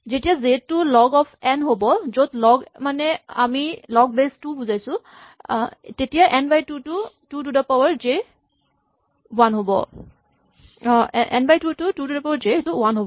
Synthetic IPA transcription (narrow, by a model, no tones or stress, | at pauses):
zetijazetːʊlɔɡɔpʰɛnɦobɔzotlɔɡmanɛa̰milɔɡ̚bestubuzajsʊ | tetijaʔɛnbajtutututudapawaɹd͡ʒe | wanɦobɔ̰ | ʔɛ̰nbajtututududapawaɹzetʊwanɦobɔ